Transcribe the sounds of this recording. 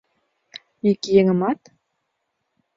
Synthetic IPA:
ikjĕŋɘ̆mɑt̪

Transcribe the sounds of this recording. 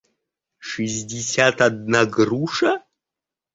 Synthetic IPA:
ʂɨzʲdʲɪsʲat̪ad̪̚naɡruʂɐ

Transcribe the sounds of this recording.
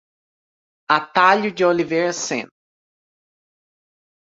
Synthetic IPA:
at̪aʎʊd͡ʒɪoliveɾɐsḛ̃n

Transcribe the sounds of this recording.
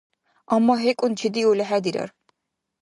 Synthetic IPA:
amːaɦekʼunt͡ʃʰid̪iulɛɦæd̪iɾa̰ɾ

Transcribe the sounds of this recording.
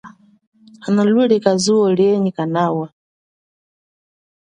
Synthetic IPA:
analwulikazuɔliɛɲikanawa

